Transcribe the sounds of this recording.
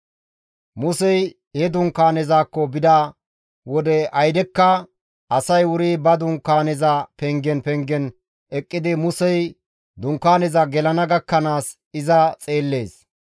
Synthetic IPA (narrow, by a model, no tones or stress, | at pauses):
mʊsɛj | hɛd̪ʊŋkaːnɛzaːkːɔbɪd̪ɐ | wɔd̪ɛʔɐjd̪ɛkːɐ | ɐsɐjwʊɾiːbɐd̪ʊŋkːaːnɛzɐpɛŋɡɛnpɛŋɡɛn | ɛkʼːɪd̪ɪmʊsɛj | d̪ʊŋkːaːnɛzɐɡɛlɐnɐɡɐkːɐnaːs | ɪzɐt͡sʼe̞ːlːe̞ːs